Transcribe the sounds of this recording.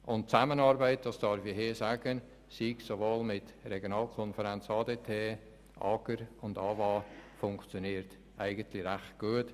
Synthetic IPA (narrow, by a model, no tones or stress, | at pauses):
ʔʊntt͡samənɑːɾbɛɪt̚d̥ɑsd̥ɑɾfiɦeːsaːɡən | siɡsovoːlmɪtrɛɡjonɑːlkʰɔnfəɾɛnt͡sɑːdeːtʰeː | ʔɑːɡ̥əɾʊndɑːvɑːfʊŋkt͡sjoniːɾt | ʔæɪɡəntlɪɾæχt̚ɡ̥uət